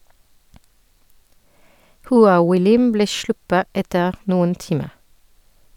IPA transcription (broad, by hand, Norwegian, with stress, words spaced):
hʊˈɑː wɪˈlɪm ˈbleː ˈʃɭʊpə ˈɛtəʁ ˈnʊən ˈtɪmə